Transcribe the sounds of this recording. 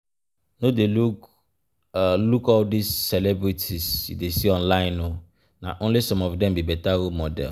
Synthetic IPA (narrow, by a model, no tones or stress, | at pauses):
nodeluk | lukadisːɛlɛbɹitʰizṵdesiɔ̃nlãɪ̃no | na̰ʔõnlisɔ̃mɔfdɛ̃mbibɛtaɾomɔdɛ̰l